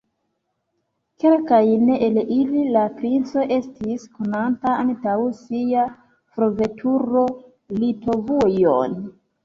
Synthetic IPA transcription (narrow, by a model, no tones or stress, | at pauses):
ke̞lkajneʔelililapɾint͡so̞ʔe̞stisko̞nantaantawsia | fɾo̞ve̞tʰuɾo̞ | lito̞vujo̰n